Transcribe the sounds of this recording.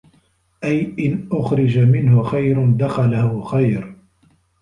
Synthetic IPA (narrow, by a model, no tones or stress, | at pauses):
ʔajʔɪnʔʊxɾɪd͡ʒamɪnhʊxajɾʊnd̪axalahʊxajɾ